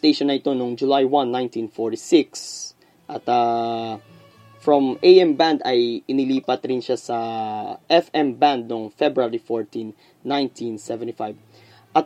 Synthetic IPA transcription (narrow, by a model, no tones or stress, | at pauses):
t̪ejʃõnɐɪt̪onoŋd͡ʒulajwãnːãjnt̪ĩnfɔɹt̪isɪks | ʔat̪a | fɹɔ̃mejɛ̃mbãnd̪ajɪnɪliːpɐt̪ɾĩnʃasaʔɛfɛ̃mbãnd̪̚noŋfɛbɹaɹifɔɹt̪ĩnː | ãj̃nt̪ʰĩnsɛvɛ̃nt̪ifajv | ʔɐt̪